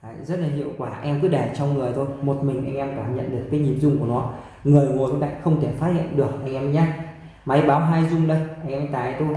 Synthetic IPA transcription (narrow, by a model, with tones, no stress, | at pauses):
ha̰˧˨jzə˦˥t̚la˨˩ɦḭ˧˨əwkwaː˧˩ʔɛ˧mkɨ˨˦ɗaː˧˩t͡ɕɔ˧wŋ͡mŋɨ˨˩əjt̪ʰo˧jmo˨˩t̚mï˨˩ŋ̟ʔa˧jŋ̟ʔɛ˧mkaː˧˩mɲə̰˧˨nɗɨ˨˩ək̚ːaː˨˦jɲi˨˩əmzʊ˧ŋ͡mku˧˩ənɔ˨˦ | ŋɨ˨˩əjŋo˨˩˨la̰ː˧˨xə˧wŋ͡mt̪ʰe˧˩faː˦t̚hḭ˧˨ə˨nɗɨ˨˩ək̚ʔa˧jŋʔɛ˧m˧˦ɲaː˧˦ | ma˨˦jɓaː˨˦wɦaː˧jzʊ˧ŋ͡mɗə˧jʔa˧ŋʔɛ˧m˧ŋt̪aː˨˩˨t̪o˧